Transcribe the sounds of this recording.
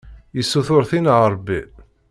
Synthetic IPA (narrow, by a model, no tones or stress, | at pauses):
jəsːuθʊɾθinʕəɾˤbi